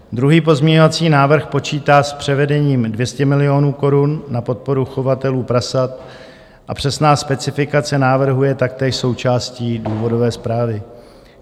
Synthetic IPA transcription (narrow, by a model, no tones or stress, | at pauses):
d̪ɾuɦiːpo̞zmɲɛɲo̞vat͡siːnaːvr̩xpo̞t͡ʃiːt̪aːspr̥ɛvɛdɛɲiːmdvjɛscɛmɪlɪo̞nuːko̞ɾunːapo̞t̪̚po̞ɾuxo̞vat̪ɛluːpɾasat̪ | ʔapr̝̥ɛsnaːspɛt͡sɪfɪkat͡sɛnaːvr̩ɦujɛt̪ak̚t̪ɛːʃso̞wt͡ʃaːsciːduːvo̞do̞vɛːspɾaːvɪ